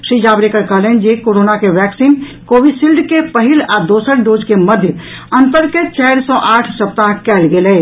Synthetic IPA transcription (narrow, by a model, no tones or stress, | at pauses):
sid͡ʒabɾekəɾkəɦlɛnd͡ʒekoɾonakeʋɛksin | kobiɖsilɖkepəɦilad̪osəɾɖod͡ʒkeməd̪ʱjə | ənt̪əɾket͡ʃɛɪɾsɔ̃ʔaʈʰsəp̚t̪ãkɛlɡelɛ